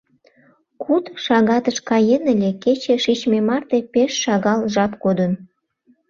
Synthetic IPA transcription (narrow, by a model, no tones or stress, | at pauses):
kut̪ʃɑɣɑt̪əʃkɑjenəlʲeket͡ɕeʃit͡ɕmemɑrt̪epeʃːɑɣɑlʒɑpkod̪ən